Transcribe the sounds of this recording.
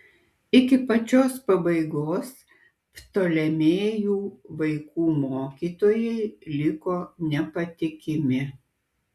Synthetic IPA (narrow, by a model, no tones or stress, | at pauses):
ɪkʲɪpɐt͡ʃʲoːspɐbɐɪɡoːs | pt̪oːlʲɛmʲeːjuːʋɐɪkuːmoːkʲiːt̪oːjɛɪlʲɪkoːnʲɛpɐt̪ʲɪkʲɪmʲɪ